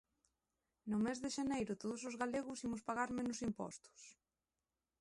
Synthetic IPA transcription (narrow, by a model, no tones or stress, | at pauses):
nʊmezðeʃanejɾʊt̪oðʊsʊzɣaleɣʊsimʊspaɣaɾmẽnʊsimpɔ̰st̪ʊ̥s